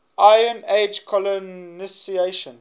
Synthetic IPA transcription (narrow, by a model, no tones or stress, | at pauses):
aɪə̃ned͡ʒkʰɔlɔnisieʃə̃n